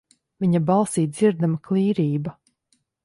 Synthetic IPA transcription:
viɲabɑlˠsiːt̪d̪z̥iɾd̪amaklˠiːɾiːbɐ

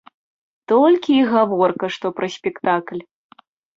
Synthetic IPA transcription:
t̪ɔlʲkʲiːɣavɔrkɐʂt̪ɔpɾɐsʲpʲɛkt̪aklʲ

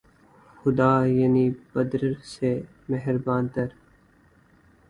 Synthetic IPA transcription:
xʊd̪aːjɐniːbəd̪ɾɾse | mɛɦɾbãːnt̪əɾ

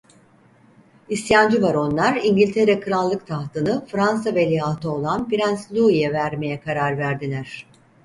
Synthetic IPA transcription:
ist̪jand͡ʒɯvaɾo̞nlˠaɾiɲɟilʲt̪ʰe̞ɾɛkʰɯɾalˠːɯkt̪ʰaht̪ʰɯnɯfɾansavelʲijaːt̪ʰɯo̞lˠanbiɾænslʲuijɛvæɾme̞jɛkʰaɾaɾvæɾd̪ilʲæɾ̥

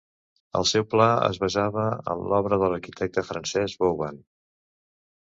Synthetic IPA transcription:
ə̰lˠsɛwplaə̰zβəzaβəə̰nlɔβɾəðələɾkit̪ʰɛk̚t̪əfɾənsɛzβowβan

